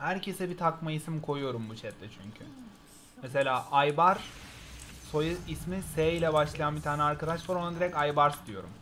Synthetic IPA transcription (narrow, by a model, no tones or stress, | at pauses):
hæɾcʰe̞sɛbit̪ʰakmaisimkʰo̞jujo̞ɾumbut͡ʃʰɛt̪lɛt͡ʃʰyɲcʰy | mese̞lʲaːʔajbaɾ | so̞jɯismiseːjlʲɛbaʃlˠajanbit̪ʰaːnɛaɾkad̪aʃlˠaɾonad̪iɾɛcajbaɾsd̪ijo̞ɾṵm